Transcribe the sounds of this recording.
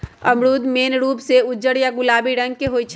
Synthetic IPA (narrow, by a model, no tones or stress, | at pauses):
əmɽuːd̪meːnɾuːpseʊd͡ʒəɽjaɡʊlaːbiɾə̃ŋɡ̚keɦoːit͡ʃʰ